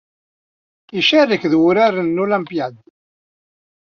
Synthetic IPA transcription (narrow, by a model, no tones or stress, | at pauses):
iʃærəkðwʊɾaɾənːulæmpjad̪